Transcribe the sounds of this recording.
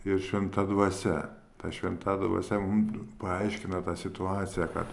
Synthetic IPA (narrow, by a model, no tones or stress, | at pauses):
ɪrʃʲʋʲɛnt̪ɐd̪ʋɐsʲɛ | t̪ɐʃʲʋʲɛnt̪ɐd̪ʋɐ̰ːsʲɛmʊmpɐɐɪʃʲkʲɪnɐt̪ɑːsʲɪt̪ʊɑːt̪sʲɪjɛkɐ̰t̪